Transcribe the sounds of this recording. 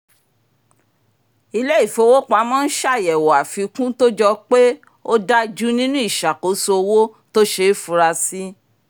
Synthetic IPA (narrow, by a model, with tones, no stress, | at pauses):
i˧lɛ˦i˦˨fo˨˧wo˦k͡pa˨˧˦mɔ̃˦n̩˦ʃa˦˨jɛ˨wɔ˨a˨fi˧kũ˦to˦d͡ʒɔ˧k͡pe˦ | o˦da˦d͡ʒu˦nĩ˦nũ˦i˦˨ʃa˨ko˨˦so˧o˧wo˦ | to˦ʃe˧˦fu˧ɾa˧si˦